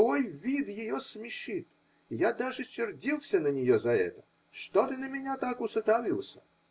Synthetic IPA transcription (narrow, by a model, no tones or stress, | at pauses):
vojvʲid̪jɪjosmʲɪʂɨt̪ | jad̪aʐɨt͡ɕʲːɪrdʲilˠsʲənənʲɪjozɐɛ̰t̪ə̥ | ʂt̪ot̪ɨnəmʲɪnʲat̪akʊsɨt̪avʲilˠsʲə